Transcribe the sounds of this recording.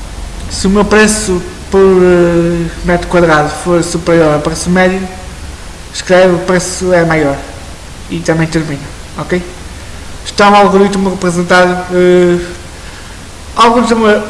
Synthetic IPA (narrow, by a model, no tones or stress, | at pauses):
sɨumewpɾɛsu | pɔɾɛmɛt̪ukwɐðɾaðufoɾsupɾiɔɾɛpɾɛsumɛðju | ʃkɾɛvupɾɛsuɛmajɔɾ | it̪ɐmɐ̃j̃t̪ɨɾminɐ | ɔkej | ʃt̪ãalˠɣuɾit̪muʁɨpɾɨzẽnt̪aɾɛ | alˠɣũzɐmɐ